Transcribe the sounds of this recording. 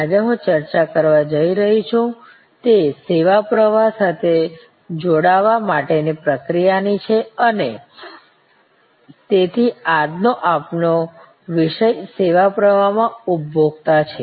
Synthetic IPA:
ad͡ʒeɦũt͡ʃəɾt͡ʃakəɾʋad͡ʒəiɾəɦit͡ʃʰũ | t̪eseʋapɾəʋasat̪ʰe | d͡ʒoɽaʋamaʈenipɾəkɾijanit͡ʃʰeəne | t̪et̪ʰiad̪noʔapno | ʋiʃəjseʋapɾəʋ̤amãupbʱoɡ̚t̪at͡ʃʰe

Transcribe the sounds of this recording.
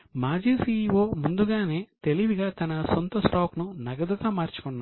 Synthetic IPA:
maːɾd͡ʒiːsiːʋo̞ːmund̪uɡaːne̞ːt̪eliʋiɡaːt̪ɐnɐsont̪ɐsʈaːknunɐɡɐd̪uɡaːmaːɾt͡ʃu̥kunːa

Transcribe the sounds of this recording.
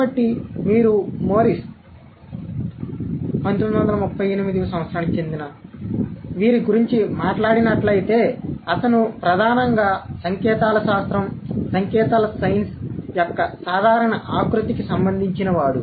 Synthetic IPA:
kaɐʈːimiːɾumoːɾis | pɐnit̪omd̪uʋɐnd̪ɐlɐmupːɐjenimid̪iɐsɐ̃mʋɐt̪sɾaːnɐkt͡ʃe̞nd̪inɐ | ʋiːɾiɡuɾiɲt͡ʃimaːʈlaːɽinɐʈlɐjit̪e̞ːɐt̪ɐnupɾɐd̪ʱaːnɐŋɡaːsɐŋkɛːt̪aːlɐʃaːst̪ɾɐmsɐŋkɛːt̪aːlɐsɐjnsjɔkːɐsaːd̪ʱaːɾɐɳɐʔaːkɾut̪ikisɐmbɐnd̪ʱiɲt͡ʃinɐʋaːɽu

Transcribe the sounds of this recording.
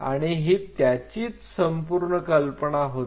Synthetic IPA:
a̰ɽ̃iɦiːt̪jat͡ɕiːt͡ssəmpuɾɳəkəlpəɳaɦo

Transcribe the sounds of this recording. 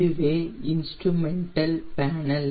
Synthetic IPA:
ɯʋeːɪnsʈɾumɛɳʈɐlpaːnɐl

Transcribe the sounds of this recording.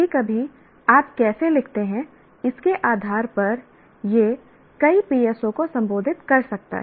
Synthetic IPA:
ikɐbʱi | aːpkɛːselɪkʰt̪eɦɛ̃ | ɪskeʔaːd̪ʱaːɾpɐɾ | je | kɐipiːɛːsõkosɐ̃mboːd̪ʱɪt̪kɐɾsɐk̚t̪a̰ɦ

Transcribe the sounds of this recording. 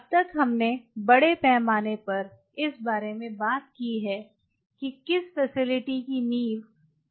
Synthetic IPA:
ɐb̚t̪ɐkɦɐmnebɐɽepɛːmaːnepɐɾ | ɪsbaːɾemẽbaːt̪̚kiɦɛː | kikɪsfɛsɪlɪʈikiniːʋ

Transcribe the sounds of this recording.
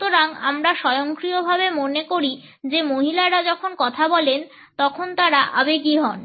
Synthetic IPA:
t̪oɾaŋamɾaʃɔjoŋkɾiobʱabemonekoɾi | d͡ʑemoɦilaɾad͡ʑɔkʰonkɔt̪ʰabɔlen | t̪ɔkʰont̪aɾaʔabeɡiɦɔn

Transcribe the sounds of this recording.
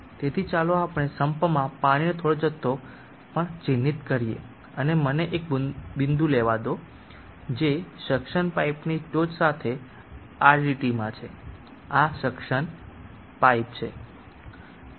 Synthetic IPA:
t̪et̪ʰit͡ʃaloapɳ̃esəmpmãpaɽ̃inet̪ʰoɽod͡ʒət̪ːo | pəɳt͡ʃinːit̪kəɾijḛ | əneməneʔek̚bɪnd̪ũleʋad̪o | d͡ʒeʃəkʃəɳpaipnit͡ʃod͡ʒsat̪ʰe | aɾɖiʈimãt͡ʃʰe | aʃəkʃəɳ | paip̚t͡ʃʰe

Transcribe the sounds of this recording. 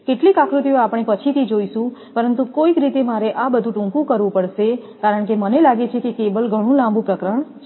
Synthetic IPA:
keʈlikakʰɾut̪ijõapɳ̃epət͡ʃʰit̪ʰid͡ʒoiʃũpəɾənt̪ukoikɾit̪emaɾeʔabəd̪ʱũʈũŋkũkəɾʋũpəɽʃe | kaɾəɳkemənelaɡet͡ʃʰekekebəlɡʱəɽ̃ũlãmbũpɾəkɾəɳ̃ʰ

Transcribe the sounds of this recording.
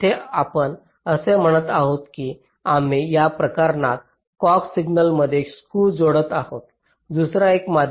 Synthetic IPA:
t̪ʰeapəɳ | əsem̤əɽ̃ət̪aɦot̪ki | am̤ijapɾəkaɾna̰k̚ | kɔksiɡnəlməd̪ʱːjeekskuːld͡zoɽət̪ahot̪ | d̪usɾaekmad̪ʱ

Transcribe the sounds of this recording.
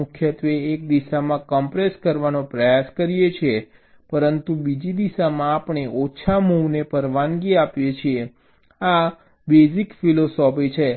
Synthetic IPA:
ʊkʰjət̪ʋeːk̚d̪iʃamãkəmpɾeskəɾʋanopɾəjaskəɾijet͡ʃʰe | pəɾənt̪ubid͡ʒid̪iʃamãːpɳ̃eʔot͡ʃʰamuʋnepəɾʋaŋɡiapjet͡ʃʰie | a | bezikfilosɔpit͡ʃʰe

